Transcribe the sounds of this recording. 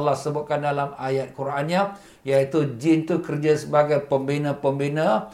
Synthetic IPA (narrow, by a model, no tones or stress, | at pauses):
lahsəbʊt̪̚kandalamajat̪̚kuɾanɲa | jait̪ud͡ʒɪnt̪ukərd͡ʒasəbaɡajpəmbinə̃pəmbinə̃